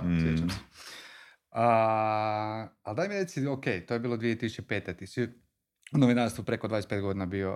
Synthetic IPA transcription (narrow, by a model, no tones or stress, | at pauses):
sjet͡ʃamsɛ̥ | a | ald̪aːjmiɾe̞t̪siokejt̪ojebiːlˠod̪ʋijet̪isut͡ɕepe̞ːt̪ɛt̪isi | unoʋinaɾst̪ʋupɾe̞kod̪ʋaːjespet̪ɡo̞d̪inabio